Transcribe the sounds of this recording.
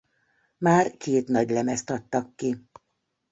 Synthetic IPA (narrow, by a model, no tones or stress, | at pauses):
maːrkeːt̪nɒɟlɛmɛst̪ɒt̪ːɒkːi